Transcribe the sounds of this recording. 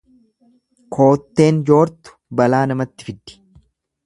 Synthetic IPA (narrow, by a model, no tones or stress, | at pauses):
kʰo̞ːt̪ːe̞ːnd͡ʒo̞ːɾt̪ʊ̥bɐlaːnɐmɐt̪ːɪfɪd̪ːɪ̥